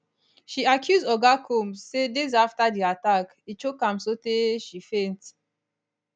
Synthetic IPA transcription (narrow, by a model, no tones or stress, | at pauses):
ʃiakʰjuzdɔɡakʰõmsedezaftadiatak | it͡ʃokãmsoteʃifẽnt